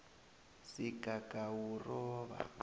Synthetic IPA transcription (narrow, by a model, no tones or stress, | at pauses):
sikʼakawurɔːβa̰